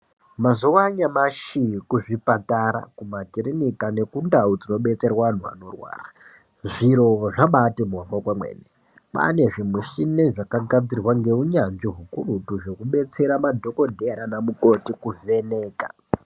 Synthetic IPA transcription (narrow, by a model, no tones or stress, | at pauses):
mazowaɲamaʃikuʐipataɾa̰kumatirinikane̞kundaud͡zino̞ɓe̞t͡se̞rwaan̤ua̰no̞rwa̰ːra | ʐiɾo̞ʐaɓatemuarakwamwḛːne | pa̰ne̞ʐimuʃineʐakaɡʱad͡zirwaŋɡe̞uɲanʐiɦukurutuʐe̞kuɓe̞t͡se̞ɾamadʱo̞ko̞dʱeɾanamuko̞tikuveneːka